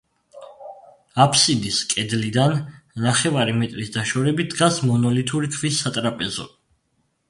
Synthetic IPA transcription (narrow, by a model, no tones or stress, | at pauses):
apʰsid̪iskʼɛd̪lid̪anːaχɛvaɾimɛt̪ʼɾisd̪aʃɔɾɛbid̪ɡasmɔnɔlit̪ʰuɾitʰvisːat̪ʼɾapʼɛzɔ̰